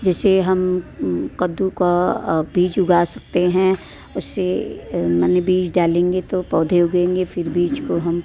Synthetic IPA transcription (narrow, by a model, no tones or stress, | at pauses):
d͡ʒɛːseɦɐmkɐd̪ukabiːt͡ʃʊɡaːsɐ̥k̚t̪eɦɛ̃ | ʊsːemɛnebiːt͡ʃɖaːlẽːŋɡet̪opɔːd̪ʱeʊɡẽːŋɡefɪɾbiːt͡ʃkoɦɐm